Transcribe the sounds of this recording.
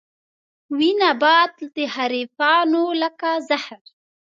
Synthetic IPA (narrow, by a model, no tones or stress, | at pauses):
winabɑd̪d̪əhaɾifɑnoləkazahɾ